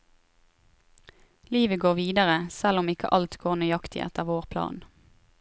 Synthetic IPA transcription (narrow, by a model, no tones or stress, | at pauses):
liːʋəɡoːʁʋiːd̪əʁəsɛlɔmɪkə̰ʔɑlt̪ɡoːʁnʏɑkt̪ʰɪ̰ʔɛ̰t̪əʁʋoːʁpʰlɑ̰ːn